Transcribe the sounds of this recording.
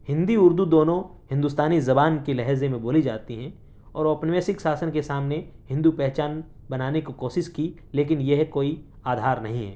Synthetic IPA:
hɪ̃nd̪iʊɾd̪ud̪oːnõɦɪ̃nd̪ust̪aːnizɐbaːnkelɛɦzẽmẽboːlid͡ʒaːt̪iɦɛ̃ | ɔ̰ːɾɔːpnɪʋɛːsɪksaːsənkesaːmnehɪ̃nd̪upɛɦt͡ʃaːn | bɐnaːnekikoːʃɪʃki | leːk̬ɪnjɛɦkoːi | aːd̪ʱaːɾnɐ̰ɦĩɦɛ̰ː

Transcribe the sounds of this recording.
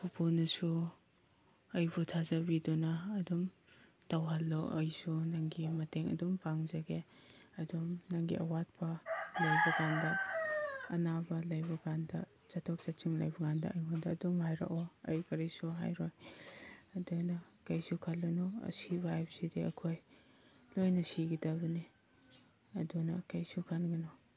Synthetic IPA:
pʰupʰunusu | ɐjbutʰazɐbidunɐːdum | tawɦalːɔʔɐjsunaŋɡimɐteŋɐ̰dumpaŋzɐɡeɐdumnaŋɡḭʔɐwat̚pɐlajbɐɡandɐː | nabɐlajbɐkandɐ | t͡ʃatʰɔk̚t͡ʃat͡ʃiŋla̰jbɐɡandɐajmandɐːdumhajɾa̰ʔɔɐjkɐɾisuɦa̰jɾɔj | ɐdunɐ | kajsukʰalːunɔɐ̰sibajp̚sidiɐ̰kʰoj | lojnɐsiɡidaβɐni | ɐdunɐkajsukʰanɡinɔ

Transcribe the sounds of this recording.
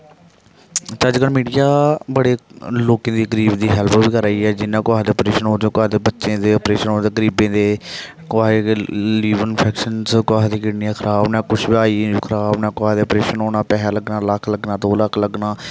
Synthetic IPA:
t͡ʃəd͡ʒkəɽmiːɖijaːbəɽeːloːkẽːd̪iːɡəɾiːbd̪iːɦɛlpʰbiːkəɾaːiːɛːd͡ʒɪnːãːkʊaːɦd̪eːɔpɾeːʃənoːd̪õːkʊaːd̪eːbətːʃẽːd̪eːopɾeːʃənoːd̪eːɡəɾiːbẽːd̪eː | kʊaːeliːʋənpʰɛːkʃənskʊaːɦd̪iːkɪɽnijãːkʰəɾaːbnɛ̃ːkʊt͡ʃʰbaːiːkʰɾaːbnaːkʊaːd̪eːɔpɾeːʃənoːnaːpɛːɦɛːləɡnaːləkʰləɡnãːd̪oːləkʰləɡnaː

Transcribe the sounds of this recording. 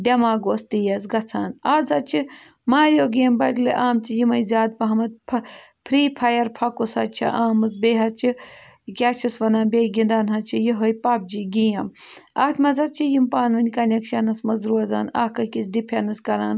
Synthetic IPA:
d̪ʲɐmaːɡoːst̪ijɐzɡɐt͡sʰa̰ːnaːzɐt͡ʃʰi | maːɾʲjoːɡiɐmbɐɡʲlɨʔaːmt͡ʃʰijimɐjzʲaːd̪̚pɐɦɐmɐt̪̚pʰɐpʰɾiːpʰɐjɐɾpʰɐkosɐt͡ʃʰḭʔaːmɐsbeːɦɐt͡ʃʰi | kʲaːt͡ʃʰɐsʋɐnaːnbʲeːjɡʲind̪aːnɦɐt͡ʃʰijiɦojpɐːp̚d͡ʒiɡijɐmaːt̪ʰmɐzɐt̪̚t͡ʃʰijimpaːnʋɐnʲkɐnʲekʃɐnɐsmɐzɾuːɐzaːna̰hkɐkit͡sʰɖipʰʲɐnɐskɐɾa̰ːn

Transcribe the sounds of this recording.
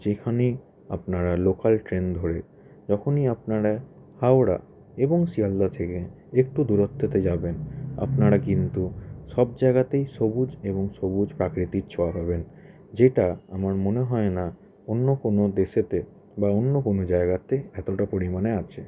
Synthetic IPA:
d͡ʑekʰane | a̰pnaɾalokalʈɾend̪ʱoɾe | d͡ʑɔkʰoniapnaɾa | hawɾa̰ | eboŋʃiald̪at̪ʰeke | ek̚ʈud̪uɾot̪ʰːet̪ed͡ʑabena̰pnaɾakint̪uʃɔb̚d͡ʑaeɡat̪ejʃobud͡ʑeβoŋʃobud͡ʑpɾakɾit̪iɾt͡ɕʰɔapaben | d͡ʑeʈaamaɾmoneɦɔena | onːokonod̪eʃet̪e | baonːokonod͡ʑaeɡat̪eɛt̪oʈapoɾimaneat͡ɕʰe

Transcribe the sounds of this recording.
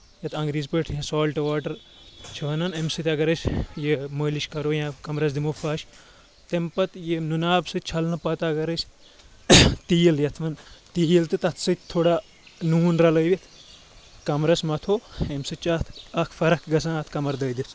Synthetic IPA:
jɐt̪ʰɐ̃ŋɡɾiːzpəʈʰjãsoːlʈɐʋaːʈɐɾ | t͡ʃʰiʋɐnɐnemsɨt̪ʲɐɡɐɾɐsʲjeməːliʃkɐɾoːjãkɐmɾɐs̬d̪imofaːʃ | t̪empɐt̪jenunaːbsɨtʲt͡ʃʰɐlnɐpɐt̪aːɡɐɾɐsʲ | t̪iːjljɐt̪ʰʋɐnt̪ijlt̪ɨt̪ɐt̪ʰsɨt̪̚ʰʲt̪ʰoːɽa | nuːnɾɐlɐjʋit̪ʰ | kɐmɾɐsmɐt̪ʰoːemsɨt͡ʃaːt̪ʰɐkʰfɐɾɐkɡɐsãːt̪ʰkɐmɐɾd̪ɐːd̪is

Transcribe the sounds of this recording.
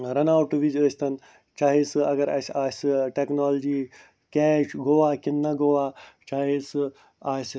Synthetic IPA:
ɾɐnaːwʈɨʋid͡ʒəːsʰʲt̪ɐn | t͡ʃaːɦisɨɐɡɐɾa̰ːsaːsɨʈeknaːld͡ʒiː | kɛːʃɡoʋaːkʲinːɐɡoʋaːt͡ʃaːɦis | aːs

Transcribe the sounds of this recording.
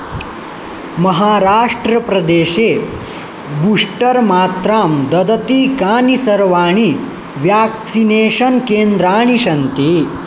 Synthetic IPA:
mɐɦaːɾaːʂʈɾɐpɾɐd̪eːɕeː | buʂʈəɾmaːt̪ɾaːmd̪ɐd̪ɐt̪iːkaːnisɐɾʋaːɳ̃i | ʋjaːksineːɕɐnkeːnd̪ɾaːɳ̃iɕɐnt̪iː

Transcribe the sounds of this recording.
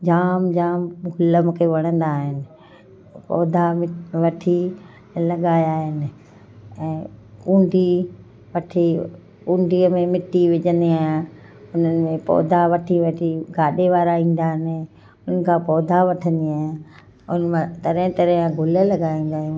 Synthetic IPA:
d͡ʑaːmd͡ʑaːmɡʱʊləmʊkʰeʋɐɽ̃ə̃nd̪aːɦɪnɪ̆ | pɔ̰ːd̪ʱamɪʋɐʈʰi | lɐɠaːjaːɦɪnɪ̆ | ɛ̃ːkũːɳɖʱi | ʋɐʈʰi | kũːɳɖiːəmẽmɪʈiʋɪʄə̃nd̪iaːɦj | ʊnənɪ̆mẽpɔ̰ːd̪ʱaʋɐʈʰiʋɐʈʰiɡʱaːɗeʋaːɾaĩːn̆d̪aːɦɪnɪ | ʊnənɪ̆kʰãːpɔːd̪ʱaʋɐʈʰə̃nd̪iaːɦɪ̃ | ʊ̰nmãt̪ɐɾɦɪ̃t̪ɐɾ̃ɡʱʊləlɐɠaːĩːn̆d̪aːɦ

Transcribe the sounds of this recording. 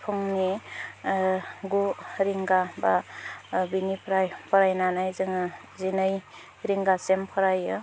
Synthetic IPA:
pʰɔŋni | ɡuɾiŋɡaba | binipʰɾajpʰɔɾajnanajzɯŋa | zinɯj | ɾiŋɡasempʰɔɾajɯ

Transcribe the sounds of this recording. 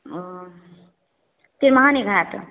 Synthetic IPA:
t̪iɾmaɦaniɡʱat̪

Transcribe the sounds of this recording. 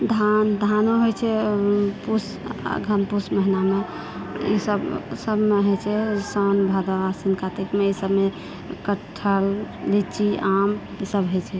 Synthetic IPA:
d̪ʱand̪ʱanoɦojt͡ʃʰɛpus | ɡʱənpusməɦiname | ḭsəbsəbmeɦot͡ʃʰɛsɔnbʱad̪oasinkat̪ikmeisəbme | kəʈʰːəlːit͡ʃiʔam | isəbɦojt͡ʃʰɛ

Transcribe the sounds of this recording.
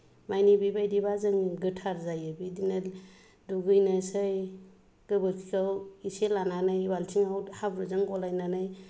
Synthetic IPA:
majnibibajdibazɯŋɡɯtʰaɾzajɯbidina | duɡɯjnasɯj | ɡ̥ɯbɯɾkʰikʰawiselananajbaltʰiŋawhabɾɯzɯŋɡɔlajnanɯj

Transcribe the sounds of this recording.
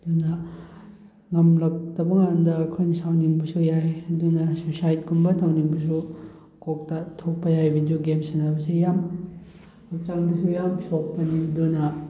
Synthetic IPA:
dunɐ | ŋɐmlɐk̚tɐbɐŋandɐːkʰojnɐsawnimbɐsujajɐdunɐsosajt̚kunbɐtʰawnimbɐs̬u | kok̚tatʰok̚pɐjajbʱidioɡemsenɐbɐsejam | hɐk̚t͡ʃaŋdɐsujamsok̚pɐnidunɐ

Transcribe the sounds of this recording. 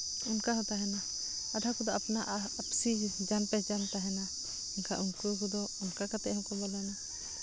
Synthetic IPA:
unkaɦɔ̃t̪aɦɛna | aɖʱakud̪ɔapnaʔapsid͡ʒanpɛd͡ʒant̪aɦɛna | ɛnka̰ʔunkukud̪ɔunkakat̪ɛʔhɔ̃kɔbɔlana

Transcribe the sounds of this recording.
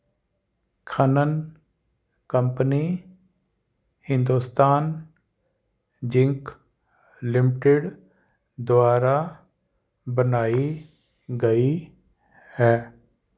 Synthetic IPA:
kʰənən | kəmpəni | hɪ̃nd̪uːst̪aːn | d͡ʒɪ̃ŋk | lɪmɪʈɪɖ | d̪ʊaːɾa | bənaːi | ɡəi | hɛː

